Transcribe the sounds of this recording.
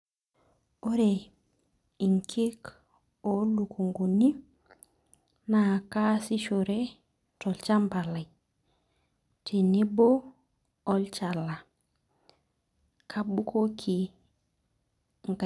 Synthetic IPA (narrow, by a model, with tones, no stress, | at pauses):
o˦ɾe˨ | i˨ŋkʰi˦k | o˦lu˨ko˨ŋɡo˨ni˦ | na˨ka˦si˦ʃo˨ɾe˦ | tɔ˨lt͡ʃa˦mba˨la˨ | tʰi˨ni˦bo˦ | ɔ˦lt͡ʃa˨la˨ | kʰa˦bu˦kʰo˦kʰi˨ | ŋɡ